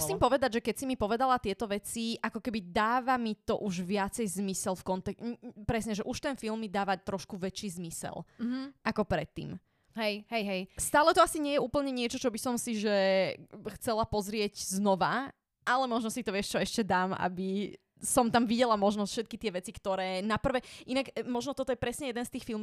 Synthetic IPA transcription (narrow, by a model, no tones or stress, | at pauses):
siːmpɔʋɛd̪aɟʒɛkɛcsimipɔʋɛd̪alat̪ɪɛt̪ɔʋɛt͡siʔakɔkɛbid̪aːʋamit̪ɔʔuʒʋɪat͡sɛjzmisɛlfkɔnt̪ɛkpɾɛsɲɛʒɛʔuʃt̪ɛnfilmːid̪aːʋat̪ɾɔʃkuʋɛt͡ʃiːzmisɛ̰lʔakɔpɾɛt̪ːḭːm | ɦɛjɦɛjɦɛjst̪aːlɛt̪ɔasiɲɪɛjɛuːpl̩ɲɛɲɪɛt͡ʃɔt͡ʃɔbisɔmsiʒɛ | xt͡sɛlapɔzɾɪɛɟznɔʋa | ʔalɛmɔʒnɔsit̪ɔʋɪɛʃt͡ʃɔɛʃcɛd̪aːma̰bi | sɔmt̪amʋiɟɛlamɔʒnɔsfʃɛt̪kit̪ɪɛʋɛt͡sikt̪ɔɾɛːnapr̩ʋɛʔinakmɔʒnɔt̪ɔt̪ɔjɛpɾɛsɲɛjɛd̪ɛnst̪iːxfilˠm